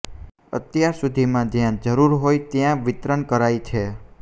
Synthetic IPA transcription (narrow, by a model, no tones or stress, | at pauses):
ə̰t̪jaɾsud̪ʱimãd͡ʒjãd͡ʒəɾuɾɦojt̪jãʋɪt̪ɾənkəɾajt͡ʃʰe